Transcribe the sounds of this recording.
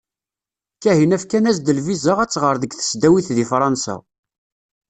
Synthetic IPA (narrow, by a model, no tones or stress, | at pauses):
kæhinæfkænæz̬d̪əlvizəʁæt͡sːʁəɾˤðəɡθə̥sd̪æwiθðifɾˤɑnsæ̰